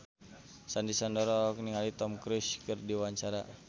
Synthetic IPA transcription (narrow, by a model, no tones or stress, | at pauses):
sandisandɔɾɔk̚niŋalit̪ɔmkɾuskɨrdiwaɲt͡ʃaɾa